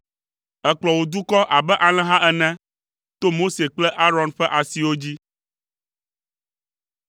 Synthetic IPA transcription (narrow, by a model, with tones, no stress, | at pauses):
ɛ˦k͡plɔ˨wo˨d̪u˦kɔ˦ʔa˨bɛ˦ʔa˨l̃ɛ̃˦ɦã˦ʔɛ˨nɛ̃˦ | t̪o˦mo˦se˨k͡plɛ˦ʔa˦ɾɔ˨nɸɛ˦ʔa˨si˨wo˦d͡ʑi˦